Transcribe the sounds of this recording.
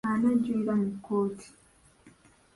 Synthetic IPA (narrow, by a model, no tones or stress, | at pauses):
anaɟiːɾamukːoːtʰi̥